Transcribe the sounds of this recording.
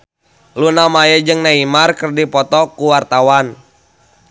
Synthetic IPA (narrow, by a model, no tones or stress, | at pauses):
lunamajəd͡ʒɨŋnaimarkərdipɔt̪ɔkuwart̪awan